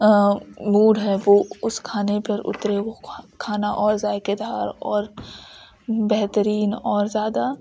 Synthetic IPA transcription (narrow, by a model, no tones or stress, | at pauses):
muːɽɦɛʋoːʊskʰaːnepɐɾʊ̰t̪ɾeʋokʰaːnaʔɔːɾzaːjked̪ʱaːɾɔːɾ | bɛɦt̪əɾiːnɔːɾzjaːd̪a